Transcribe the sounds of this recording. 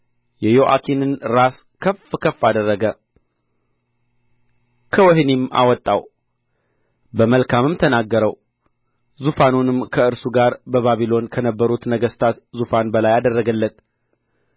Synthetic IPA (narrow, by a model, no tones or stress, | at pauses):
jɛjoʔa̰kʰinɨnɾas | kʰəfkʰəfːad̪ərːəɡə | kʰəwɔɦnima̰wɔt̪ʼːa̰w | bəməlkʰamɨmt̪ʰənaɡːəɾəw | zufanunɨmkʰəɨɾsuɡaɾbəβaβilo̞nkʰənəbːəɾut̪nəɡəst̪ʰat̪zufanbəlajad̪ərːəɡəlːət̪